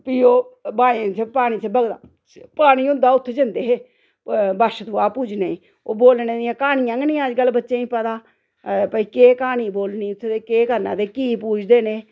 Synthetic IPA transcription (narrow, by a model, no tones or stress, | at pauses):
piːoːbaːẽːt͡ʃʰepaːɽ̃iːt͡ʃʰebəɡd̪a̰ː | paːɽ̃iːʊnd̪aːʊt̪ʰːd͡ʒɪnd̪eːɦeː | bəʃt̪uaːpuːd͡ʒneːĩː | oːboːlneːd̪ɪãːkaːɽ̃ĩːãːŋɡnĩːad͡ʒɡəlːbətːʃeːĩːpəd̪aː | pəiːkeːkaːɽ̃iːboːlniːʊt̪ʰːd̪eːkeːkəɾnã̰ːd̪eːkiːpuːd͡ʒd̪eːneː